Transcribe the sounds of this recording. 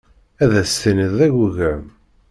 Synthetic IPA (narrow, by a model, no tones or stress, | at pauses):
æðæsθinəðæʝuʝæm